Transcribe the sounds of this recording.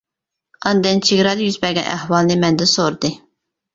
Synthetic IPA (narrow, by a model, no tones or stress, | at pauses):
ɑnd̪ɨnt͡ʃʰiɡʲɾɑd̪jyzbɛɡʲɛnʔæ̰hwɑlˠnɨmɛnd̪ɪnsoɾd̪ɨ